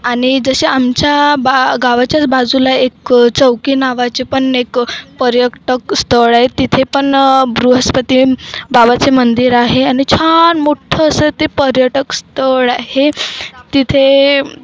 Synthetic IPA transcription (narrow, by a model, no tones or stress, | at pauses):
aɽ̃id͡zəɕeamt͡ɕjabaɡaʋat͡ɕjat͡sbad͡zulaekt͡səwkinaʋat͡ɕepəɳekpəɾjəʈəkst̪əɭaɦet̪it̪ʰepəɳbɾuɦəspət̪ibabat͡semənd̪iɾaɦeaɽ̃it͡ɕʰanmoʈʰəːsət̪epəɾjəʈəkst̪əɭaɦet̪it̪ʰe